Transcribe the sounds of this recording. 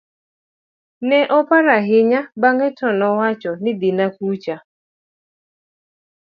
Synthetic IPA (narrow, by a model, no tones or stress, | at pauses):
nɛʔɔpaɾaɦɪɲabaŋɛtɔnɔwat͡ʃɔnɪd̪ɪnakut͡ʃa